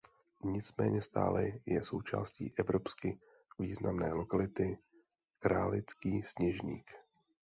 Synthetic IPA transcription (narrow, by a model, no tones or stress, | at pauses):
ɲɪt͡smɛ̰ːɲɛst̪a̰ːlɛjɛso̞wt͡ʃa̰ːscḭːʔɛvɾo̞pskɪ | viːznamnɛːlo̞kalɪt̪ɪ | kɾaːlɪt͡skiːsɲɛʒɲiːk